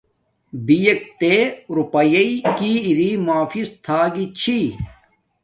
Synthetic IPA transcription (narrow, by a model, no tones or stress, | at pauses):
bijɐk̚t̪eɾupɐjɐikiːiɾiːmaːfist̪ʰaːɡit͡ɕʰi